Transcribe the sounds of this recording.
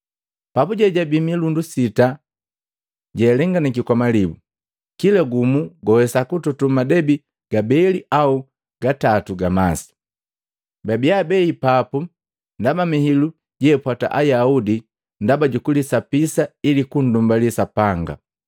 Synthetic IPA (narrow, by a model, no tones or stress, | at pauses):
papuɟɛɟabimilundusita | ɟɛːlɛŋɡanikikɔmalibu | kilaɡumuɡɔwɛsakututumadɛbi | ɡ̥abɛliʔau | ɡ̥atatuɡamasi̥ | babiabɛipapu | ndamamihilu | ɟɛːpwata̰ʔajaudi | ndabaɟukulisapisailikun̩dumbalisapaŋɡa̰